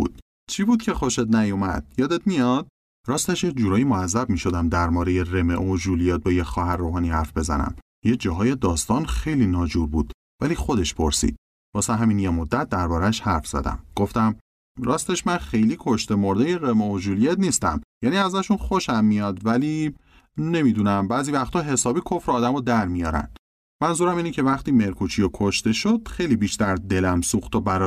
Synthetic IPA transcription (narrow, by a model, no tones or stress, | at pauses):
ṵːd̪̥ | t͡ʃʰiːbuːd̪̥̚cʲʰe̞xoʃet̪næjomæ̰d̪̥jɒːd̪et̪mijɒd̪̥̚ | ɾɒːst̪eʃjecd͡ʒuːɾɒːjimoæzːæb̚miʃo̞d̪æmd̪æɾmɒːɾejeɾemeʔod͡ʒuːlijeːt̪̚bɒːjecxɒːɦæɾːoːɦɒːniːhæɾfbe̞zæ̰næ̰m | jed͡ʒɒːɦɒːje̞d̪ɒːst̪ɒnxe̞jliːnɒːd͡ʒuɾbuːd̪̥ | væliːxo̞d̪e̞ʃpʰo̞ɾsḭd̪̥ | bɒːsæɦæminjemod̪ːæt̪̚ʰd̪æɾbɒːɾæʃhæɾfz̥æ̰d̪æ̰mɡ̥o̞ft̪æm | ɾɒːst̪e̞ʃmænxe̞jliːkʰo̞ʃt̪e̞moɾd̪ejeɾemooʒulijet̪niːst̪æ̰mjæːniːæzæʃunχo̞ʃæmːijɒd̪væliː | ne̞mid̪uːnæmbæːziːvæxt̪ʰɒːɦe̞sɒːbiːkʰo̞fɾeːd̪æmod̪æɾmijɒːɾæ̰nd̪̥ | mænzuːɾæmiːnecʰe̞væχt̪iːme̞ɾkʰut͡ʃʰijokʰoʃt̪e̞ʃod̪̥xe̞jliːbiʃt̪æɾd̪e̞læmsuxt̪ʰobæɾɒ